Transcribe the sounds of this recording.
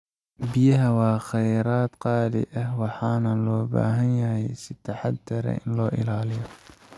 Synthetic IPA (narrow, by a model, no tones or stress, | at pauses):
bɪjɐɦɐwɑːχɛjɾaːd̪qɑːðɪ̰ʔɐhwɑħɑːnɐlɔːba̰ːɦɐnjɐɦɛjsɪt̪ʰɑħɑd̪ɐɾɛ̰ʔɪnlɔːʔɪ̰laːlɪjɔ